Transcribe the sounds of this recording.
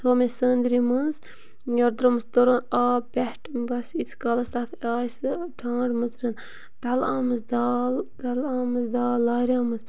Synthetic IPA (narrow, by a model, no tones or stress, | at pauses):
t̪ʰoːmesəːnd̪ɾimɨnz | joɾd̪ɾomɨst̪oɾoːnaːpʲɛhʈʰbɐsit͡sʰkɐlɐst̪at̪ʰaːsʈʰãːɖmɨzɾɐn | d̪̥ɐlaːmɨzd̪aːld̪alaːmɨzd̪aːlːaːɾʲaːmɨz